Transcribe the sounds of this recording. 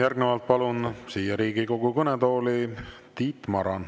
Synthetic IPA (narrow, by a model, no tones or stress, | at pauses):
jærɡ̥nevɑlt̪̚pɑlunsiːjɑɾiːɡiko̞ɡukɤnet̪o̞ːli | t̪iːt̪mɑɾɑn